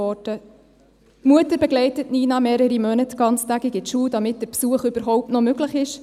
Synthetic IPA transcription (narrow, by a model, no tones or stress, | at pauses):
ɔd̥ə | muətəɾbɛɡlɛɪtətniːnɑmeːɾəɾimœnətɡ̥ɑnt͡stæɡiɡɪtʃuːdɑmɪt̚d̥əɾpsuəχʏb̥əɾɦɔʊp̚tnɔmøɡləχɪʃ